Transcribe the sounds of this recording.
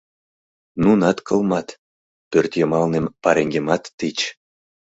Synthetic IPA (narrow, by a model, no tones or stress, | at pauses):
nunɑt̪kɤ̆lˠmɑt̪ | pørt̪jɤ̆mɑlnempɑɾeŋɡʲemɑt̪ːit͡ɕ